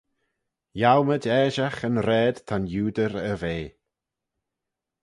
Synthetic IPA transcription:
jawmədɛːʒaxənɾɛːd̪̥t̪ʰanjuːd̪əɾəveː

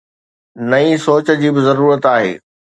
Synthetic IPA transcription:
nɐisoːt͡ɕə̆d͡ʑiːbɪzɐɾuːɾət̪aːɦḛː

